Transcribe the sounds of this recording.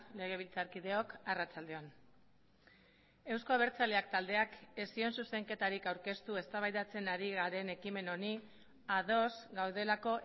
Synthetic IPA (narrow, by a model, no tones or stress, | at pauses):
le̞ɣ̞e̞β̞ilt͡saɾkiðe̞o̞karat͡sald̪e̞on | e̞wsko̞aβ̞e̞ɾt͡sale̞akt̪ald̪e̞ake̞sio̞nsuse̞ŋke̞t̪aɾikawɾke̞st̪ue̞st̪aβajðat͡se̞naɾiɣaɾe̞ne̞kime̞no̞ni | aðo̞zɡawðe̞lako̞ʔ